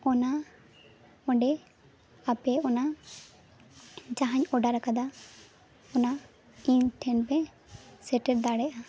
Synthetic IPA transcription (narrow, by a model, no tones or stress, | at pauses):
ɔna | ɔɖɛ | apɛɔna | d͡ʒaɦaɲɔɖaɾakad̪a | ɔna | iɲʈʰɛnpɛ | sɛʈɛɾd̪aɽɛʔa